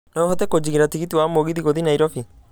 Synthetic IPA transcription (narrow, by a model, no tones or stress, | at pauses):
nɔɦɔt̪ɛkod͡ʒiɡiɾat̪ikit̪iwamoɡid̪ikod̪inajɾɔfi